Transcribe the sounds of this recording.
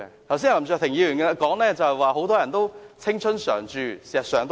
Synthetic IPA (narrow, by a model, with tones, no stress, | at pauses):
t̪ʰɐ˨˩wsi˥ja˨˩lmt͡ʃœː˧t̪ʰɪ˨˩ŋjiː˨˧ɥy˨˩ŋkɛ˧la˧kɔː˨˥ŋlɛː˥˩t͡sɐ˨whɛ˨jwaː˨˧ɦo˨˥wt̪ɔː˥jɐ˨˩nt̪o˥wt͡sʰɪ˥ŋt͡ʃʰɵ˥nsœ̰ː˨˩ŋt͡ʃyː˨˧si˨˩ɐ˨t̚sœː˨ŋt̪